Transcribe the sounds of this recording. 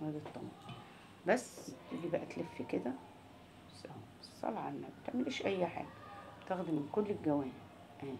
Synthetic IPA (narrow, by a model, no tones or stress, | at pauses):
wæd̪it̪ˤːɑmɑ̰ | bæsːt̪iɡibæʔæt̪lefːiked̪æ | æsʔæ | sˤɑ̰lɑʕanːæbt̪eʕmelʔæːʃʔæjːħa̰ːɡæt̪æxd̪imenkolːelɡæwæːni | ʔæ